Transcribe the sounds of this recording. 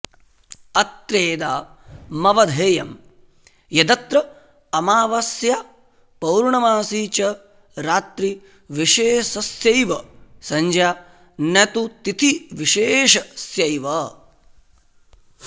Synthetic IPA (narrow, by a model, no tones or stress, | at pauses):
ɐt̪ɾeːd̪aːmɐʋɐd̪ʱeːjɐm | jɐd̪ɐt̪ɾɐ | ɐmaːʋɐsja | pɐwɾɳɐmaːsiːt͡ʃɐ | ɾaːt̪ɾi | ʋiʃeːsɐsjɐjʋɐsɐɲd͡ʒjaː | nɐt̪ut̪it̪ʰiʋiʃeːʃɐsjɐjʋɐ